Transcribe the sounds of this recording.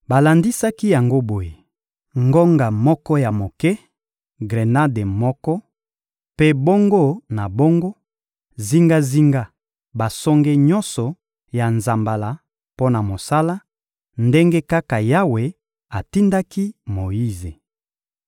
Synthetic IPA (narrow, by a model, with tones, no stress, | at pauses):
ba˨la˨ndi˦sa˦ki˦ja˨ŋɡo˦bo˨je˨ | ŋɡo˦ŋɡa˨mɔ˦kɔ˦ja˨mo˨kɛ˦ | ɡʁe˨na˦de˨mɔ˦kɔ˦ | pe˦bo˦ŋɡo˦na˨bo˦ŋɡo˦ | zi˦ŋɡa˦zi˦ŋɡa˦ | ba˨sɔ˦ŋɡe˦ɲɔ˦nsɔ˨ | ja˨nza˨mba˨la˨ | po˦na˨mo˨sa˦la˦ | nde˦ŋɡe˦ka˦ka˨ja˦we˨ | a˨ti˦nda˦ki˦mo˨ji˦ze˨